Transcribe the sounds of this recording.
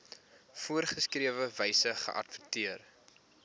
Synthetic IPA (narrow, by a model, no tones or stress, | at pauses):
fuərχəskriəvəvɛjsəχə̰ʔɐ̰tvətiər